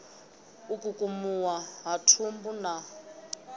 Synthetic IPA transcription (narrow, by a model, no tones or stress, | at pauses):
ukʼukʼumuwaɦatʰumbuna